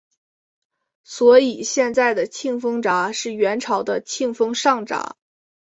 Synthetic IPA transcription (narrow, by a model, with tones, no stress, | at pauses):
swɔ˧˥i˨˩ɕjɛ˥˧nt͡sa˥˩ɪd̪ə˩t͡ɕʰi˥˩ŋfɤ˥ŋʈ͡ʂa˧˥ʂɻ̩˥˩ɥɛ˧˥nʈ͡ʂʰɑ˧˥ʊd̪ə˧t͡ɕʰi˥˩ŋfɤ˥ŋʂɑ˥˩ŋʈ͡ʂa̰˧˥